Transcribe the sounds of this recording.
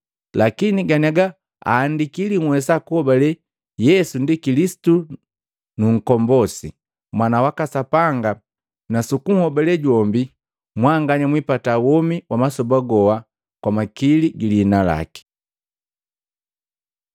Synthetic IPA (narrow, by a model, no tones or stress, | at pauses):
lakiniɡaniaɡa | a̰ːndikiliŋwɛsakuhɔbalɛ | jɛsundikilisi̥tu | nuŋ̩kɔmbɔsi | mwanawakasapaŋɡa | nasukuŋ̩hɔbalɛɟwɔmbi | mwaŋɡaɲamwipatawɔmiwamasɔbaɡɔwa | kwamakiliɡiliːnala̰ki̥